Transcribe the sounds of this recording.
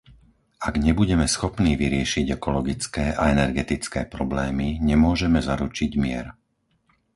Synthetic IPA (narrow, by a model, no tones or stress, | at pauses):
aɡɲɛbuɟɛmɛsxɔpniːʋiɾɪɛʃiɟɛkɔlɔɡit͡skɛːʔaɛnɛɾɡɛt̪it͡skɛːpɾɔblɛːmiɲɛmʊɔʒɛmɛzaɾut͡ʃiɟmɪɛ̰ɾ